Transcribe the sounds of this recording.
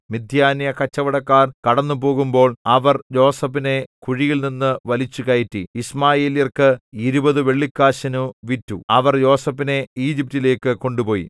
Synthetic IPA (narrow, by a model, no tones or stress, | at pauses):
mid̪ʱjaːnjɐkɐt͡ɕːɐʋɐɽɐkːaːrkɐɽɐnːupo̞ːɣumbo̞ːɭɐʋɐrjo̞ːsɐpːine̞kuɻijilninːɨʋɐlit͡ɕːukɐjitːiismaːjeːlijɐrkɨiɾubɐðɨʋe̞ɭːikːaːɕɐnuʋitːuɐʋɐrjo̞ːsɐpːine̞iːd͡ʑip̚tile̞ːkːɨko̞ɳɖupo̞ːjḭ